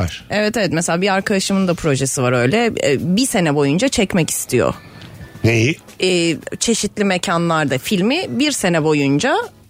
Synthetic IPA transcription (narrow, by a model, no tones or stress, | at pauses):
vaɾ̥evɛt̪evɛt̪mɛselʲaːbiaɾkʰad̪aʃɯmɯnd̪apʰɾo̞ʒesivaɾø̞jlʲɛbise̞nɛbo̞jund͡ʒat͡ʃʰɛcmɛci̥st̪ʰijo̰neji | ɛːt͡ʃʰe̞ʃit̪lʲimecʰanlˠaɾd̪afilʲmibiɾse̞nɛbo̞jund͡ʒa